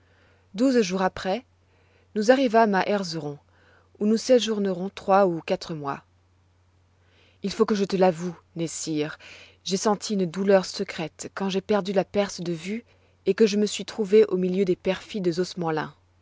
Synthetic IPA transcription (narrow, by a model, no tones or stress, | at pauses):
d̪uzʒuʁapχɛ | nuzaʁivamaʔɛʁzəʁɔ̃ | unusɛʒuʁnəʁɔ̃t̪χwaukat̪χəmwa̰ | ilfokəʒət̪əlavunɛsiʁ | ʒesɑ̃t̪ʰiynd̪ulœʁsəkχɛt̪kɑ̃ʒepɛʁd̪ylapɛʁsd̪əvy | ekəʒəməsɥit̪χuveʔomiljød̪epɛʁfid̪əzɔsmɑ̃lɛ̰̃